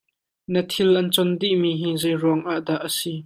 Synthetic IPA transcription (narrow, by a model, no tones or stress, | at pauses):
nət̪ʰilʔɐnt͡sɔnd̪iʔmiːɦiːzejruəŋʔaʔdaʔəsi